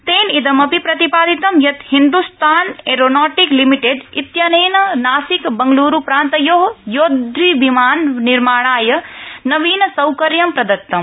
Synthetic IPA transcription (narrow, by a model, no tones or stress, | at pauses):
t̪eːnid̪ɐmɐpipɾɐt̪ipaːd̪it̪ɐmjɐt̪hind̪ust̪ʰaːneːɾoːnaːʈiklimiʈeɖit̪janeːnɐnaːsikbɐŋɡluːɾupɾaːnt̪ɐjoɦjoːd̪ʱʋibimaːnːiɾmaːɽ̃aːjɐnɐʋiːnɐsɐwkɐɾjɐmpɾɐd̪ɐk̚t̪ɐm